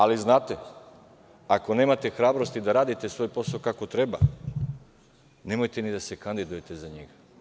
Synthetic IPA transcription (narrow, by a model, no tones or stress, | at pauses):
aliznaːt̪e | ako̞ne̞ːmat̪e̞xɾaːbɾost̪id̪aɾaːd̪it̪e̞sʋo̞ːjpo̞saokako̞t̪ɾe̞ba | ne̞mojt̪enid̪ase̞kand̪id̪ujet̪e̞zaɲḛɡa